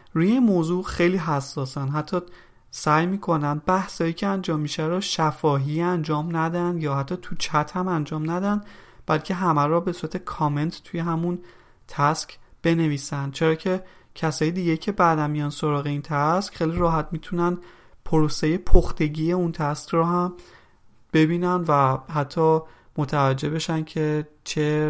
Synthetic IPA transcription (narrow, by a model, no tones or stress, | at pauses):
ɾujeinmoːzuːxejliːɦæsːɒːsænɦæt̪ʰːɒː | sæjmiːkʰo̞nænd̪̚bæhsɒːjiːcʰeænd͡ʒɒːmːiʃæɾɔʃæfɒːɦiænd͡ʒɒːmnæd̪ænd̪jɒːhæt̪ʰːɒːt̪ʰut͡ʃʰæt̪ʰhæmænd͡ʒɒːmnæd̪ænd̪b̥ælcʰe̞ɦæmæɾɒːbe̞suːɾæt̪ʰe̞kʰɒːme̞nt̪t̪ʰuje̞ɦæmun | t̪ʰæskb̥e̞ne̞viːsænd̪̥̚t͡ʃʰe̞ɾɒːcʰe̞cʰæsɒːjed̪iːɟe̞jcʰe̞bæd̪ænmːijɒːnso̞ɾɒːɣeint̪ʰæscχejliɾɒːɦæt̪mit̪ʰunæn | pʰoɾosejepʰoxt̪e̞ɟiːjeunt̪ʰæskrɔːɦæm | b̥e̞biːnænd̪væhæt̪ʰːɒː | mot̪ʰævæd͡ʒːe̞be̞ʃæncʰe̞ | t͡ʃʰe